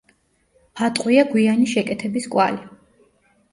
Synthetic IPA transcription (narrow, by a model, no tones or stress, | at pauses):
at̪ʼqʼwiaɡwianiʃɛkʼɛt̪ʰɛbiskʼwa̰li